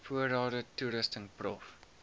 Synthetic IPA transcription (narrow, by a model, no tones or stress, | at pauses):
fuəɾɑːdətuɾəstənprɔ̰f